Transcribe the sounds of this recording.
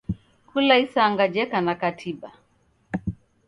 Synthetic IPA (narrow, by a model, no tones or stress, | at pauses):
kulaisaːŋɡad͡ʒɛkanakatʰiɓa